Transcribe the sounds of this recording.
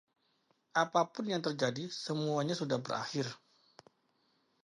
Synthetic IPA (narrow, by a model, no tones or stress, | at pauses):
ʔapapʊnjaŋt̪ərd͡ʒadisəmuaɲasudahbəɾa̰xɪr